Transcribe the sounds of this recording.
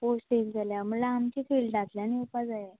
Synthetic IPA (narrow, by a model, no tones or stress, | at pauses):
posʈild͡zaljam̤əlaːmt͡ɕiːfiːlɖnat̪ljaniupad͡zaje